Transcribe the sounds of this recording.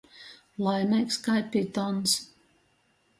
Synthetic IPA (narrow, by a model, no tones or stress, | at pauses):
lˠajnɛjkskajpʲːit̪ɔns